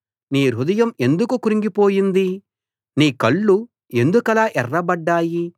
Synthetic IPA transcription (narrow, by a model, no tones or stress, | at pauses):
niːɾud̪ɐjɐme̞nd̪ukukuɾiŋɡipo̞ːjind̪i | niːkɐɭːu | e̞nd̪ukɐlaːʔɛrːɐbɐɖːaːji